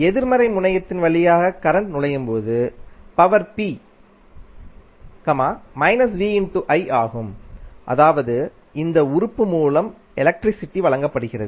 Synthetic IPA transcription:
ɛðɪɾmɐɾɐɪmʊɳɐjɐt̪ːɪnʋɐɭɪjaːɣɐkɐɾɐɳʈnʊɭɐjɯmpoːðɯpɐʋɐɾpiː | kɐmaːmɐɪnɐsʋiːɪɳʈuʔɐɪaːɣɯmʔɐ̰ðaːʋɐðɯ | ɪnd̪ɐʊɾʊpːɯmuːlɐm | ɛlɐk̚ʈɾɪsɪʈːiʋɐɭɐŋɡɐpːɐɽɯɣɪrɐ̰ðɯ

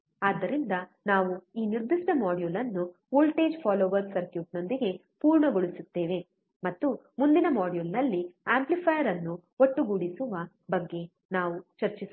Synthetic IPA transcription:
aːd̪ːɐɾind̪ɐnaːʋuiːniɾd̪iʂʈɐmaːɖijuːlɐnːu | uːlʈeːd͡ʒpʰaːloːʋɐksɐɾkjuːʈ̚no̞nd̪iɡe̞ | puːɾɳɐɡoɭisut̪ːe̞ːʋe̞ | mɐt̪ːumund̪inɐmaːɖjulnɐlːiaːmplipʰɐjɐɾɐnːuoʈːuɡuɽisuʋɐ | bɐɡːe̞ | naːʋut͡ʃɐɾt͡ʃis

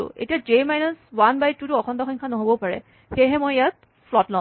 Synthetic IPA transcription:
ʊ̰ḛtijad͡ʒejmajnɔswanbajtːutʊɔkʰɔntɔxɔŋkʰanɔɦobɔpaɹɛ̰ | xejɦɛmojjat̚ | fʰlɔtlɔ̃

